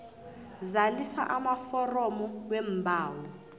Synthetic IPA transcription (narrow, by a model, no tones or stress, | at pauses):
zalisa̰ʔamafɔrɔmɔwɛmbʱaːwɔ